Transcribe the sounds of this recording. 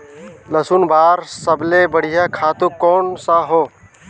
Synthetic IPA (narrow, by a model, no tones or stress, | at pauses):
ləsunbaːɾsəblebəɽ̤ijakʰaːt̪ũkːɔːnsaɦoː